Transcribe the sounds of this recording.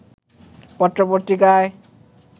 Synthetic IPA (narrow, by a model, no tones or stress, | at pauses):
pɔt̪ːɾopot̪ɾikae